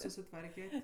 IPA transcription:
sʊsʲɪˈtʋɐrʲkʲɛtʲ

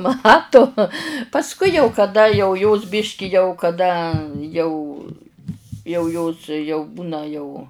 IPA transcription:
ˈmɑːtʊ pɐsˈkʊɪ jɛʊ kɐˈdɐ jɛʊ joːs ˈbʲɪʃʲkʲɪ jɛʊ kɐˈdɐ jɛʊ jɛʊ ˈjoːs jɛʊ ˈbuːnɐ jɛʊ

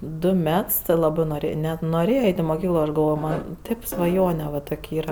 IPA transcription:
ˈdʊ ˈmʲɛts tʲɪ ˈlˠɑːbɜ ˈnoːrʲɪ nʲɛt noːˈrʲeːjɛ ˈɛɪtʲ ɪ moːˈkʲiːklˠoː ˈɐʃ ɡɐlˠˈʋoːjoː mɐnʲ ˈtʲeːp sʋɐˈjoːnʲɛ ʋɐ ˈtoːkʲ ˈiːrɐ

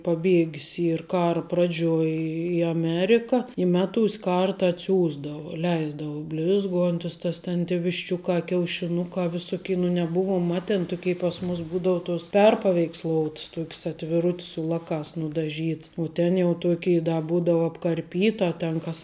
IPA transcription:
pɐˈbʲiɛɡʲɪs ˈiːr ˈkɑːrɐ ˈprɑːd͡ʒʲuɔj ɪ ɐˈmʲæːrʲɪkɐ ɪ ˈmʲæːˌtuːsʲ ˈkɐrtɐ ɐtʲˈsʲuːzdɐʋʊ ˈlʲɛɪzdɐʋʊ ˈbʲlʲɪzˌɡuɔnʲtʲɪs ˈtɐs tʲɛn tʲeː ʋʲɪʃʲˈt͡ʃʲʊkɑː kʲɛʊʃʲɪˈnʊkɑː ʋʲɪˈsʊkʲɪ nʊ nʲɛˈbʊʋuɔm ˈmɑːtʲeːn ˈtʊkʲɛɪ pɐs mʊs ˈbuːdɐʊ toːs ˈpʲɛrpɐʋʲɛɪksˌlˠoːʊts ˈtuɔkʲs ɐtʲʋʲɪˈrʊtʲs sʊ ˈlˠɑːkɑːs nʊdɐˈʒʲiːts ʊ tʲɛn jɛʊ ˈtoːkʲɛɪ dɐ ˈbuːdɐʊ ɐpkɐrʲˈpʲiːtɐ tʲɛn ˈkɐs

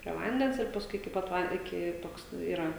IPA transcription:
pʲrʲiɛ ˈʋɐnʲdʲɛns ɪr pɐsˈkʊɪ ɪkʲɪ ˈpɐt ˈʋɐn ɪˈkʲɪ ˈtoːks ˈiːrɐ

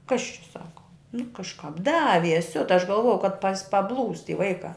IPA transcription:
kɐs t͡ʃʲɛ ˈsɑːkɐ nʊ kɐʃˈkɑːp ˈdɑːʋʲiɛs ˈsʲʊtɐ ɐʃ ɡɐlˠˈʋoːjɛʊ kɐt pɐs pɐˈblˠuːs tʲɪ ˈʋɐɪkɑː

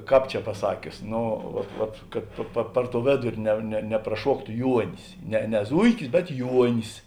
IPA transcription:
ˈkɑːp t͡ʃʲɛ pɐˈsɑːkʲʊs ˈnʊ ʋɐt ʋɐt kɐt pɐ pɐ ˈpɐr ˌtoːʊ ˈʋʲeːdʊrʲɪ nʲɛ nʲɛ nʲɛprɐˈʃuɔktʊ ˈjuɔnʲɪs nʲɛ nʲɛ ˈzʊɪkʲɪs bʲɛt ˈjuɔnʲɪs

